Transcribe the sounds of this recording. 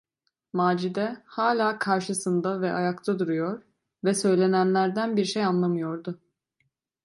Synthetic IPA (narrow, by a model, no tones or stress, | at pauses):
maːd͡ʒid̪ɛhaːlʲaːkʰaɾʃɯsɯnd̪avɛʔajakt̪ʰad̪uɾujo̞ɾ | vɛsø̞jlʲe̞nænlʲæɾd̪ænbiɾʃejanlˠamɯjo̞ɾd̪ʊ